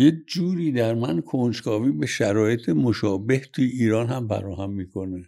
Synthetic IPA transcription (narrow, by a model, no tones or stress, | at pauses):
jekd͡ʒuːɾiːd̪æɾmænkʰond͡ʒkʰɒːviːbe̞ʃæɾɒːjet̪ʰemoʃɒːbeht̪ʰujeiːɾɒːnhæmfæ̰ɾɒːhæmːiːkʰo̞ne